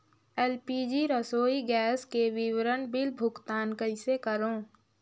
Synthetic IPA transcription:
eːlpiːd͡ʒiɾəsoːiɡɛːskeʋɪwɾənbɪlbʱʊkt̪aːnkəɪsekəɾõː

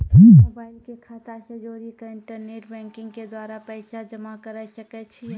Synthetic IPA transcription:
ɦimobaːɪlkekʰaːt̪asəd͡ʒoːɾikaɪɳʈəɾneːʈbɛ̃ːŋkɪ̃ŋɡked̪waːɾapɛːɪsad͡ʒɐmakəɾəʃəkɛt͡ʃʰi

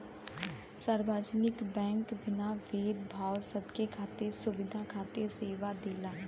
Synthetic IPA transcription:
səɾbaːd͡ʒnɪkbɛ̃ːŋkbɪnaːʋeːd̪bʱaːwsəbkekʰaːt̪esʊʋɪd̪ʱakʰaːt̪eseːʋad̪eːlaː

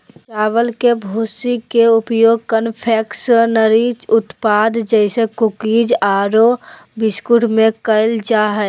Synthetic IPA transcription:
t͡ʃaːʋəlkebʱuːsikeʊpjoːɡ̚kənpʰɛːksnəɾiːt͡ʃʊt̪paːd̪d͡ʒɛɪsekʊkiːd͡ʒaːɾo | bɪskʊʈmẽkəɪld͡ʒaːɦɛ

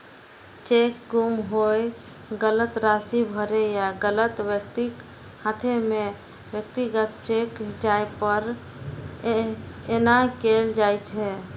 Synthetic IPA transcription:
t͡ʃekɡumɦoj | ɡələt̪ɾasibʱəɾejaɡələt̪ʋjəkt̪ik | hãt̪ʰeme | bjəkt̪iɡət̪̚t͡ʃekd͡ʒajpəɾ | enakeld͡ʒajt͡ʃʰɛ

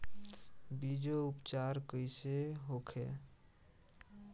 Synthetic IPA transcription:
bid͡ʒoupt͡ʃaɾkəɪseɦokʰḛ

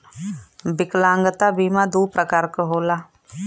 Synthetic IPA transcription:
bɪklãːŋɡət̪abiːmãd̪uːpɾəkaːɾkəɦoːlaː

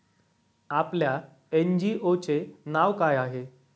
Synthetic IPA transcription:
aplja | end͡ʑiʔot͡senaʋkajaɦe

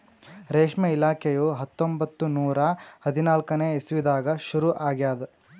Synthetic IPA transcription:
ɾeːʂmɐilaːkʰejuɦɐt̪ːombɐt̪ːunuːɾɐhɐd̪ʱinaːlkɐneːesiʋid̪aːɡɐʃuɾuʔaːɡjaːd̪ɐ

